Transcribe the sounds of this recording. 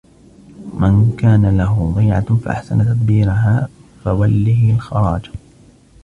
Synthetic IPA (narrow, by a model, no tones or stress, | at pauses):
mankaːnalaɦʊd̪ˤɑːʕa̰fa̰ʔa̰ħsant̪ad̪̚biːɾaɦaːfawalːiːɪlxɑɾˤɑːd͡ʒ